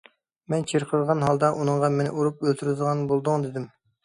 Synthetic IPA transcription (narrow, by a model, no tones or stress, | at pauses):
mɛnt͡ʃʰeɾqʰəɾʁɑnɦɑlˠd̪ɑʔunɨŋʁɑmenɪ̰ʔuɾup̚ølt̪ʰyɾɪzəʁɑnbolˠd̪ʊŋd̪ɪd̪ɪm